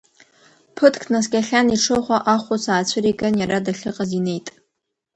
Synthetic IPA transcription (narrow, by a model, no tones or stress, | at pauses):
pʰɨtʰkʰnas̬kʲʼaɬʲaniʈ͡ʂʰɨχʷaʔaχʷʊsaːt͡ɕʷʰɨɾiɡanjaɾadaɬɨqʼazine̞jtʼ